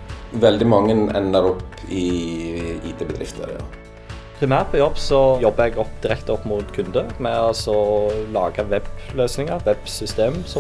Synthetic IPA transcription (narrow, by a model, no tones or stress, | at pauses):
ʋɛld̪ɪmɑŋːənɛ̰nəɾɔpɪ | iːt̪ʰeːbəd̪ɾʔɪ̰ft̪ʰə̰ɾɑ̰ | pʰʁɪmæːʁt̪pʰɔjɔbsɔjɔbːəɛɡɔpːd̪̥ɪɾɛkt̪ɔpːmʊt̪kʰʉnd̪əmɛɔsɔlɑːɡəʋɛbløːsnɪŋəɾʋɛb̥sʏst̪eːmsɔ